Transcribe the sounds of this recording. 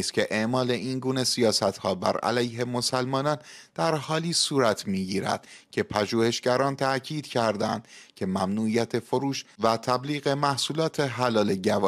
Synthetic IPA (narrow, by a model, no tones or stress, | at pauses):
st̪cʰe̞ʔeʔmɒːle̞ʔinɡuːne̞sijɒːsæt̪hɒːbæ̰ɾæ̰læjhe̞mo̞sælmɒːnɒːnd̪̥æɾhɒːliːsuːɾæt̪ʰmiːɟiːɾæ̰d̪̥cʰe̞pʰæʒuːhe̞ʃɟæɾɒːnt̪ʰæʔcʰiːd̪̥cʰæɾd̪ænd̪cʰe̞mæmnuːʔijæt̪ʰe̞fo̞ɾuːʃvæt̪ʰæbliːɣe̞mæhsuːlɒːt̪ʰe̞ɦælɒːle̞ɟævɒ